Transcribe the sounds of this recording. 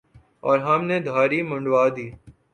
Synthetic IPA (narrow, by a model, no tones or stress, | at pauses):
ɔːɾɦɐmned̪ʱaːɾimʊ̃ɳɖʋaːd̪iː